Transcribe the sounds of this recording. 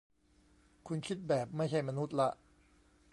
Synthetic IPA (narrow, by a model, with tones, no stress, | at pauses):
kʰu˧nkʰi˦˥t̪̚bɛː˨˩p̚ma˥˩jt͡ɕʰa˥˩jma˧nu˦˥t̪̚la˦˥ʔ